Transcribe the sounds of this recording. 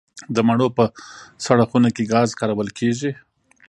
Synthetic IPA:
d̪əmaɳ̃opəsaɽaxunakeɡɑzkɑɾawəlkʰeʒi

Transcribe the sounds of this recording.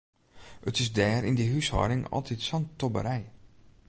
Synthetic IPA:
ətɪsdɛːɾindəɦyshɔ̰dɪŋɔ̰lˠtitsɔntobə̰ɾɛj

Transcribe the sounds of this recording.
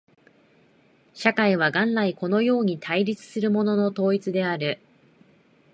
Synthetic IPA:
ɕakaiβ̞aɡãnlaiko̞no̞jo̞ːɲ̟it̪ʰaiɾʲit͡sɨ̥sɨɾɯ̟mo̞no̞no̞t̪o̞ːit͡sɨd̪e̞aɾɯ̟

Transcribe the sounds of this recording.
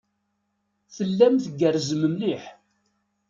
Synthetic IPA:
θəlːæmθɡərzəməmliħ

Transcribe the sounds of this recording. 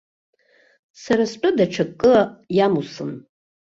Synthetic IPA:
saɾaspʷʼʊdaʈ͡ʂʰakʼːɨjamusɨn

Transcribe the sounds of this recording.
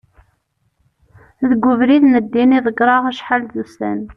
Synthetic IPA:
ðəɡʷːʊvɾiðnəd̪ːiniðˤəɡɾˤɑʁæʃħalðust̪æ̰n

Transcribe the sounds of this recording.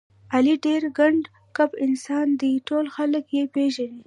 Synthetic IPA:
aliɖeɾɡaɳɖ | kapɪnsɑnd̪iʈolxaləkjepeʒani

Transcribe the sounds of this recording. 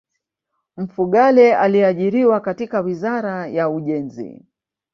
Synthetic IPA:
m̩fuɠalɛaliaʄiɾiwakatikawizaɾajauʄɛnzḭ

